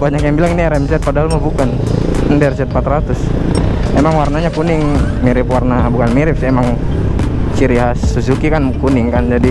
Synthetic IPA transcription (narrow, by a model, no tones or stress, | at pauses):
baɲakjaŋbilaŋiniɛɾɛmsɛt̪̚padaɦalmabukan | ndɛrsɛt̪̚pat̪ɾat̪ʊs | emaŋwarnaɲakunɪŋ | miɾɪpwarnabukanmiɾɪp̚siemaŋ | siɾiɦasus̬ukikankunɪŋkand͡ʒadi